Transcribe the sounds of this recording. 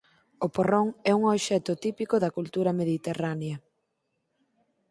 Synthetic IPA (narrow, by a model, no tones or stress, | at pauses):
oporoŋɛuŋoβʃɛt̪ʊt̪ipikoðɐkult̪uɾɐmeðit̪eraneɐ